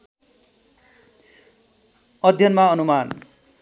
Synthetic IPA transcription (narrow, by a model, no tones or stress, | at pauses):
ʌd̪ʱjʌnmaɔnuman